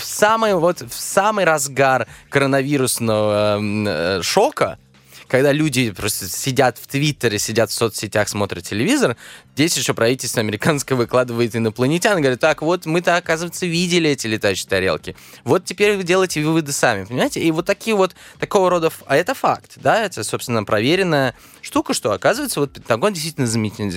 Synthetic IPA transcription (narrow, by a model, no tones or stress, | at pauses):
fsamɨjəvo̞t̪fsamɨjɾɐzɡarkəɾənɐvʲiɾʊsnəvə | ʂo̞kə̰ | kɐɡd̪alʲudʲɪpɾo̞st̪əsʲɪdʲat̪ft̪vʲit̪ːəɾɪsʲɪdʲat̪fso̞t̪sʲɪtʲaxsmo̞t̪ɾʲɪət̪̚tːʲɪlʲɪvʲizərzdʲesʲjɪɕopɾɐvitʲɪlʲst̪vəɐmʲɪɾʲɪkanskəjəvɨklˠad̪ɨvəjɪt̪ɨnəplˠənʲɪtʲanɡəvɐɾʲat̪ːakvo̞t̪mɨt̪aɐkazɨvəɪt̪səvʲidʲɪlʲɪɛtʲɪlʲɪt̪ajʉɕɪ̥t̪ɐɾʲelˠkʲɪ | vot̪tʲɪpʲeɾʲvvɨdʲelˠəjtʲɪvɨvɨd̪ɨsamʲɪpənʲɪmaɪtʲɪivo̞t̪ːɐkʲijəvo̞t̪ːɐko̞vəɾo̞d̪əfaɛt̪əfa̰kt̪d̪aɛt̪əso̞pst̪vʲɪnːəpɾɐvʲeɾʲɪnːəjə | ʂt̪ukəʂt̪o̞ɐkazɨvəɪt̪səvot̪̚pʲɪt̪ɐɡondʲɪst̪vitʲlʲnəzmʲnʲitʲnʲ